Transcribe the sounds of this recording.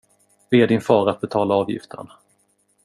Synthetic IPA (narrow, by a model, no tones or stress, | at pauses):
v̥eæɖɪnfɑːɾat̪̚bɛt̪ʰɑːlaɑːvjɪ̰ft̪ʰə̰ɳ